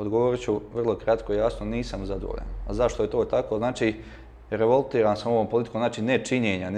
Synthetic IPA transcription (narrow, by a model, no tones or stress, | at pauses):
od̪ɡoʋoɾit͡ɕuʋr̩lˠo̞kɾat̪koijaːsnoniːsamzad̪o̰ʎḛnazaʃt̪oje̞t̪oːt̪akoːznaːt͡ʃiː | ɾeʋolˠt̪iːɾaːnsamo̞ʋompolit̪i̥konznaːt͡ʃiːnet͡ʃiɲeːɲan